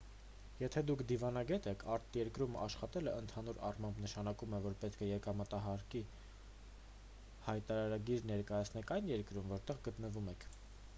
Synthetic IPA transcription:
jɛt̪ʰɛd̪ukʰd̪ivɑnɑɡɛt̪ɛkʰɑɾt̪ʰjɛɾkɾumɑ̰ʃχɑt̪ɛləənt̪ʰɑnuɾɑrmɑmbnəʃɑnɑkumɛvɔɾpɛt̪̚kʰəjɛkɑmət̪ɑɦɑɾki | hɑjt̪ɑɾɑɾɑɡiɾnɛɾkɑjɑt͡sʰnɛkʰɑjnjɛɾkɾumvɔɾt̪ɛʁɡət̪nəvumɛkʰ

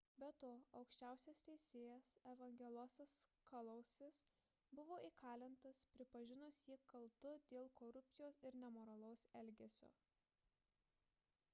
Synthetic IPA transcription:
bʲɛt̪oːɐʊkʃʲt͡ʃʲæˑʊsʲest̪ʲɛɪsʲeːjɛsɛʋɐŋʲɡʲɛlˠoɔsʲɐskɐlˠɐʊsʲɪs | bʊʋoːiːkʰɑːlʲɪnt̪ɐspʲɾʲɪpɐʒʲɪnʊsjiːkɐlˠt̪ʊd̪ʲeːlˠkoːɾʊpʲsʲɪjoːsɪɾnʲɛmoːɾɐlˠɐʊsɛlʲɡʲesʲo̰ː

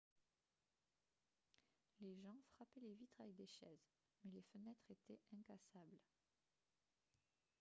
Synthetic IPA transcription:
leʒɑ̃fχapɛlevit̪χavɛk̚d̪eʃɛz | mɛlefənɛt̪χet̪ɛɛ̃kasabl

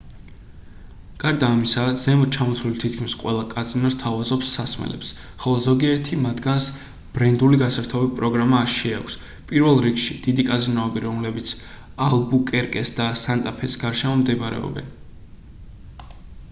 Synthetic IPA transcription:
ɡ̥aɾd̪aːmisazɛmɔt͡ʃʰamɔt̪sʰulit̪ʰit̪̚kʰmisqʼwɛ̰lˠakʼazinɔst̪ʰavazɔpsːasmɛ̰lɛ̰psχɔlˠɔzɔɡiɛɾt̪ʰimad̪ɡans | b̥ɾɛnd̪uliɡasaɾt̪ʰɔbipʼɾɔɡɾamaːʃiakʷʰs | pʼiɾvɛlˠɾikʃid̪̥id̪ikʼazinɔːbiɾɔmlɛbit̪sʰ | alˠbukʼɛɾkʼɛsd̪asant̪ʼapʰɛsɡaɾʃɛmɔmd̪ɛbɾɛ̰ɔ̰bɛ̰n

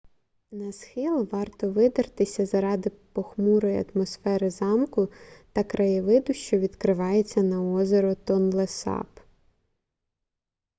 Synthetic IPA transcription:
nɐsxɪlˠʋɑrt̪ɔʋɪd̪ɐrt̪ɪsʲɐzɐɾɑd̪ɪpɔxmuɾɔjiɐ̰t̪mɔsfɛɾɪzɑmkʊt̪ɐkɾʔɐjɪʋɪd̪ʊʃt͡ʃɔʋʲid̪kɾɪʋɑjet͡sʲːɐnɐɔzʲeɾɔt̪ɔnlˠesɑ̰p

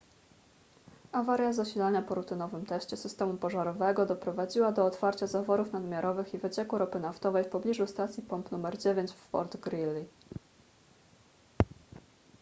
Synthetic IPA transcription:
avaɾjazaɕilaɲapɔɾut̪ɘnɔvɘmt̪ɛɕt͡ɕɛsɘst̪ɛmupɔʐaɾɔvɛɡɔd̪ɔpɾɔvad͡ʑiwad̪ɔːt̪faɾt͡ɕazavɔɾufnad̪mʲjaɾɔvɘxivɘt͡ɕɛkuɾɔpɘnaft̪ɔvɛjfpɔblʲiʐust̪at̪sʲjipɔmpnumɛɾd͡ʑevʲeɲt͡ɕffɔ̰ɾd̪ɡɾilːi

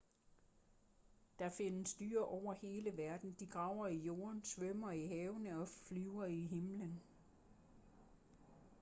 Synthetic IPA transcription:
d̥ɑ̈fe̝nəsd̥y̰ːɐʔɒʊ̰ɐhe̝ːləʋæɐd̥n̩d̥iɡ̥ʁɑ̈ʊ̰ɐijo̝ːɐnsʋœmɐiɦɛːʊnəɒ̽flyʊɐiɦe̝mlən

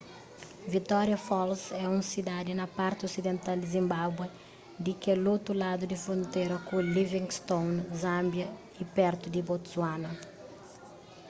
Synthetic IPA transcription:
vit̪ɔɾjɐfɔlsɛũsid̪ad̪inɐpaɾt̪iosid̪ẽnt̪ald̪izĩmbabwe | d̪ikelot̪ulad̪ud̪ifɾõnt̪eɾɐkulivĩŋst̪õwnzãmbjɐ | ipɛɾt̪ud̪ibot̪zwanɐ

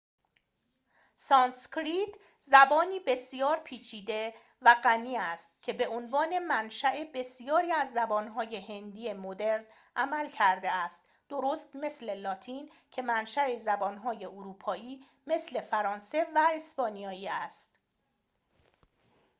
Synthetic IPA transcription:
sɒːnskɾit̪ | zæbɒːniːbe̞sijɒːɾpʰiːt͡ʃʰiːd̪e̞ | væɢæniːæst̪̚cʰe̞be̞onvɒːne̞mænʃæʔebe̞sijɒːɾiːæzːæbɒːnɦɒːje̞ɦe̞nd̪iːe̞mod̪e̞ɾn | ʔæmælcʰæɾd̪e̞æst̪ | d̪̥oɾoːst̪me̞sle̞lɒːt̪ʰiːn | cʰe̞mænʃæe̞zæbɒːnɦɒːje̞oɾuːpʰɒːiː | me̞sle̞fæɾɒːnse̞væespɒːnijɒːiːæst̪

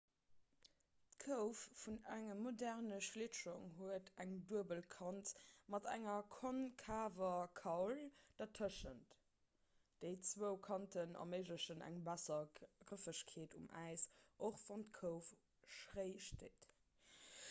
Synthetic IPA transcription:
tkʰəʊfːunæŋəmodæʁnəʃliʃuŋɦuətæŋduəbəlkʰɑntmɑtæ̰ŋɐkʰonkʰaːvɐkʰɑʊld̥ɑtʰəʃənt | d̥əɪt͡swəʊkʰɑntʰənɑ̰məɪʒləʃənæ̰ŋbæsɐɡʁəfəɕkʰeːtumæ̰ɪsʔoχv̥ɑntkʰəʊf | ʃʁeɪʃteːt

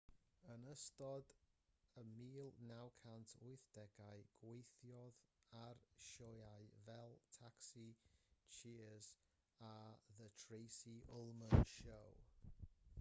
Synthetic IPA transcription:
ənəstɔdəmiːlˠnawkʰantʰʊɨθd̥ɛɡaɨɡ̥wejθjɔðarʃɔjajvɛlˠtʰaksit͡ʃʰiəz̥ | aðətʰɹejsiʔʊlˠmənʃow

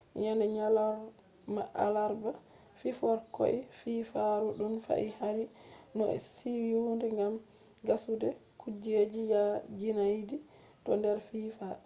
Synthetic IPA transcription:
ɲandɛɲalaɾ | ma̰ʔa̰laɾba | fifɔɾkɔ̰ʔififaɾuɗunfa̰ʔihaɾinɔɛ̰siwiwundɛŋɡam | ɡasudɛkud͡ʒed͡ʒijad͡ʒinajdi | tɔndɛɾfiːfa

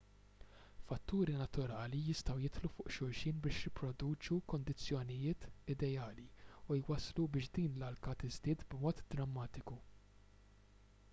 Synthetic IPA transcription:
fɐt̪ːuːɾinɐt̪ʊɾɐːlijɪst̪ɐwjɪt̪lufʊːʔʃʊɾʃɪːnbɪːʃjɪpɾɔd̪uːt͡ʃukɔnd̪ɪt͡sːjɔnɪjɪːt̪ɪd̪ɛjɐːliujwɐslubɪːʃd̪iːnlɐlkɐt̪ɪzd̪ɪːt̪bmɔːt̪d̪ɾɐmːɐːt̪ɪku

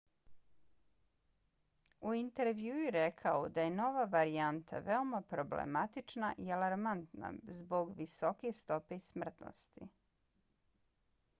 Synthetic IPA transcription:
uint̪e̞ɾʋjuːjuɾekʰaod̪aje̞no̞ʋaʋaɾiant̪ʰa̰ʋeo̞mapɾo̞blḛmat̪it͡ʃnaʔialaɾmant̪na̰zbo̞ɡʋiso̞ke̞st̪o̞pe̞ismr̩t̪no̰st̪ḭ

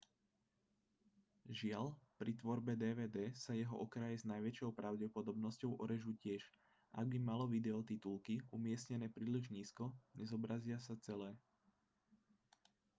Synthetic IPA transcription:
ʒɪaʎpɾit̪ʋɔɾbɛd̪ɛːʋɛːd̪ɛːsajɛɦɔ̰ʔɔkɾajɛznajʋɛt͡ʃɔʊpɾʔaʊɟɛpɔd̪ɔbnɔscɔʊʔɔɾɛʒucɪɛʒ | ʔa̰ɡ̚bimalɔʋid̪ɛɔt̪it̪ulkiumɪɛsɲɛnɛːpɾiːliʒɲiːskɔɲɛzɔbɾazɪasat͡sɛlɛː

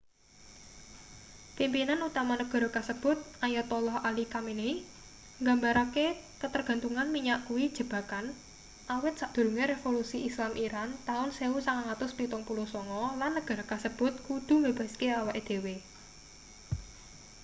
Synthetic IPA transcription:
kimpinanut̪amanəɡ̥ɔ̤ɾɔkasəb̥ʊ̤t̪̚ʔajɔt̪ɔlɔhalikamine | ŋɡa̤mbaɾake | kət̪ərɡ̥a̤nt̪uŋanmiɲaʔkuwid̥ʒ̥ə̤b̥a̤kan | ʔawɪt̪̚saʔd̪̥ṳɾuŋeɾefolusiʔislamʔiɾant̪aʊnseusaŋaŋat̪ʊspit̪ʊŋpuluhsɔŋɔlanːəɡ̥a̤ɾɔkasəb̥ʊt̪̚kud̪̥ṳməb̥a̤skeawaʔed̪̥e̤we

